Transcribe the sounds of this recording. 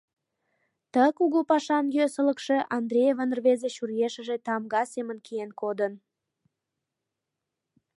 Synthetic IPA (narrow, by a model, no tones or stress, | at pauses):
t̪əkuɣəpɑʃɑnjøsələkʃe̽ʔɑnd̪rʲejevənərβezeʃurjeʃəʒet̪ɑmɡɑsemənkijenkod̪ən